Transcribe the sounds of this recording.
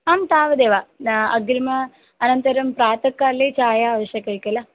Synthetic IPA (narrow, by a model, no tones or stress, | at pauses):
aːmt̪aːʋɐd̪eːʋaɐɡilmɐ | ɐnɐnt̪ɐɾɐmpɾaːt̪ɐkːaːlːet͡ʃaːjaːʋɐɕjɐkːɐjikːɐlɐ